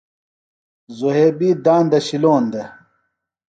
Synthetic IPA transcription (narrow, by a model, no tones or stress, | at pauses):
zoɦeːbiːd̪aːnd̪ɐɕiloːnd̪e